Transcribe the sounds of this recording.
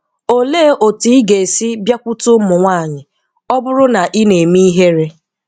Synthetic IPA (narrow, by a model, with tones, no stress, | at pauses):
o˨le˦˨ʔo˨ti˦i˦ɡe˨si˦bja˦kʷʊ˦tʊ˦mʊ˨ŋʷa˦˨ɲɪ˨ | ɔ˦bʊ˦ɾʊ˦na˨ʔi˦ne˨mi˦ɦe˦ɾe˦